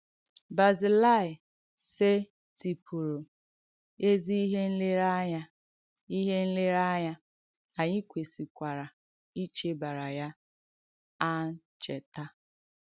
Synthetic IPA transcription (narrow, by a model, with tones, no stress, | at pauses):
ba˨zi˨la˦˨ɪ˨ | se˦ | ti˨pʰu˨ɾo˨ | e˦zi˦i˦ɦe˦n̩˦lɪ˦ɾa˦ɲa˦ | i˦ɦe˦n̩˦lɪ˦ɾa˦ɲa˦ | a˨ɲɪ˦kʷe˨si˨kʷa˨ɾa˨ | i˦t͡ʃe˦ba˨ɾa˨ja˦ | a˦n̩˦t͡ʃe˨ta˦